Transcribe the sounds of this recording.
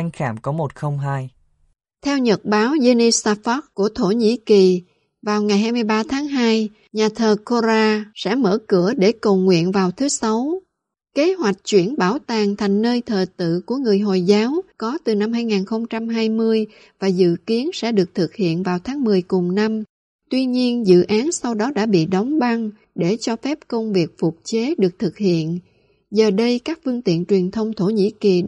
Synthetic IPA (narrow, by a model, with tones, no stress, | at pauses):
a˧ŋxaː˧˩mkɔ˨˦mo˨˩t̚xə˧wŋ͡mɦaː˧j | t̪ʰɛ˧wɲə˨˩t̚ɓaː˨˦wze˧ni˧saː˧fɔ˦˥k̚ku˧˩ət̪ʰo˧˩ɲḭ˧˥ki˨˩ | vaː˨˩wŋa˨˩jɦaː˧jmɨ˧əjɓaː˧t̪ʰaː˨˦ŋɦaː˧j | ɲaː˨˩t̪ʰəː˨˩ko˧zaː˧sɛ̰˧˥mə̰ː˧˩kɨ̰˧˩əɗe˧˩kə˨˩wŋwḭ˧˨ənvaː˨˩wt̪ʰɨ˨˦sa˨˦w | ke˨˦ɦwa˨˩jk̟̚t͡ɕwi˧˩ənɓaː˧˩wt̪aː˨˩ŋt̪ʰa˨˩jŋ̟nəː˧jt̪ʰəː˨˩t̪ɨ̰˧˨ku˧˩əŋɨ˨˩əjɦo˨˩jzaː˨˦wkɔ˨˦t̪ɨ˨˩na˧mɦaː˧jŋaː˨˩nxə˧wŋ͡mt͡ɕa˧mɦaː˧jmɨ˧əj | vaː˨˩zɨ̰˧˨ki˨˦ənsɛ̰˧˥ɗɨ˨˩ək̚t̪ʰɨ˨˩k̚hḭ˧˨ənvaː˨˩wt̪ʰaː˨˦ŋmɨ˨˩əjkʊ˨˩ŋ͡mna˧m | t̪wi˧ɲi˧ənzɨ̰˧˨ʔaː˨˦nsa˧wɗɔ˨˦ɗa̰ː˧˥ɓḭ˧˨ɗɔ˨˦wŋ͡mɓa˧ŋ | ɗe˧˩t͡ɕɔ˧fɛ˦˥p̚kə˧wŋ͡mvi˨˩ək̚fʊ˨˩k͡p̚t͡ɕe˨˦ɗɨ˨˩ək̚t̪ʰɨ˨˩k̚hḭ˧˨ən | zəː˨˩ɗə˧jkaː˦˥k̚fɨ˧əŋt̪ḭ˧˨ənt͡ɕwi˨˩ənt̪ʰə˧wŋ͡mt̪ʰo˧˩ɲḭ˧˥ki˨˩